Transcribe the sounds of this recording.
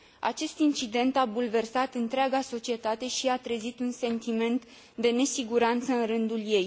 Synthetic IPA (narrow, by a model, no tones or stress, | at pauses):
a̰t͡ʃe̞st̪int͡ʃid̪e̞nt̪abulve̞rsat̪ɨnt̪ɾeaɡaso̞t͡ʃie̞t̪at̪e̞ʃiat̪ɾezit̪unse̞nt̪ime̞nt̪ | d̪e̞ne̞siɡuɾant̪səɨnɾɨnd̪ulje̞j